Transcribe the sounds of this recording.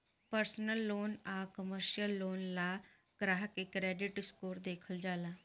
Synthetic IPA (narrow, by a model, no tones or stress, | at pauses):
pəɾsnəlːoːnaːkəməɾʃijəlːoːnlaː | ɡ̥ɾaːɦəkekɾɛːɖɪʈɪskoːɾd̪eːkʰəld͡ʒaːlaː